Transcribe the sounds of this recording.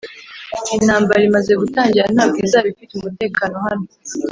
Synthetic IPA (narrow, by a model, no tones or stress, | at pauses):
inaːmbaɾimaze̞ɡutaːɲɟiɾan̥aːb̚ɡiːzaβifitumute̞ːkaːno̞hano